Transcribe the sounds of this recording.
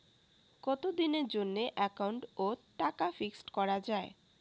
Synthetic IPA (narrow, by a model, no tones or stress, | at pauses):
kɔt̪od̪ineɾd͡ʑonːeʔɛkawɳʈoʈakafiksʈkɔɾad͡ʑae